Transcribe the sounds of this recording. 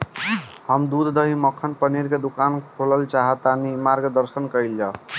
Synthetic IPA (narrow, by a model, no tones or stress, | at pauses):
həmd̪ud̪ʱd̪əɦiməkʰːənpəniɾked̪ukankʰoləlt͡ʃaɦət̪ːanimaɾɡd̪əɾsənkəild͡ʒa